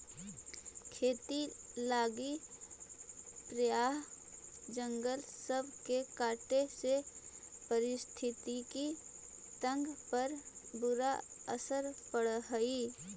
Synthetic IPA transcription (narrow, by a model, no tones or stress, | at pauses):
kʰeːt̪ilaːɡi | pɾəjaːɦd͡ʒə̃ŋɡəlsəbʱkekaːʈesepəɾɪst̪ʰɪt̪iki | t̪ə̃ŋɡpəɾbʊɾa | ə̰səɾpəɽɦəiː